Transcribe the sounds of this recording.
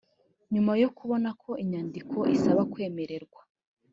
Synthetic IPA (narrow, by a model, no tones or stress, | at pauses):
ɲumajo̞kuβo̞nakʰo̞ʔiɲandikʰo̞ʔisaβakwe̞ːme̞ɾe̞ɾɡwa